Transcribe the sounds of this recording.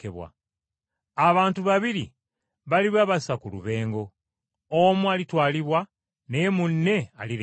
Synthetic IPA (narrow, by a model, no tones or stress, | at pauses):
keβwa̰ | aβaːntuβaβiɾi | βaliβaβasakulṵβe̞ːŋɡo̞ | omualitwaːliβwa | nemunːe̞aliɾ